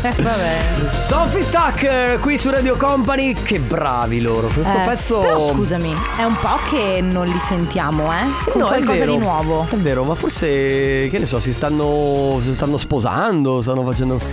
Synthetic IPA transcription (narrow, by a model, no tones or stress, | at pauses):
vabɛsɔfit̪akːkwisurad̪jokɔmpanikebɾa̰ːviloːɾokwest̪opɛt̪sːoeɾɔskuːzami | ɛumpɔkʰːenːonlisent̪jaːmoɛnɔwaɛlkvɔeːzaɾd̪inwɔːvoɛvːeːɾomaforsekenesɔsist̪anːosist̪anːospoza̰nd̪os̬t̪anːofat͡ʃɛnd̪o